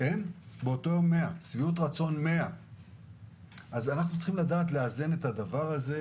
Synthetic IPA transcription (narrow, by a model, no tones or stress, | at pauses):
enbeoto̞jo̞mːe̞asviut̬ʁat͡so̞nme̞a | ʔazanaχnut͡sl̥χimladaːtleazene̞tadavaʁaze̞